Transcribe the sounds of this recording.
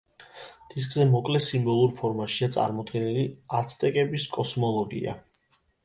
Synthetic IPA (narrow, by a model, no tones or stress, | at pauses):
d̪̥is̬kʼzɛmɔkʼlɛsimbɔlˠuɾpʰɔɾmaʃiat̪sʼa̰ɾmɔd̪ɡɛnɛliat̪sʰt̪ʼɛkʼɛbiskʼɔsmɔlˠɔɡḭa̰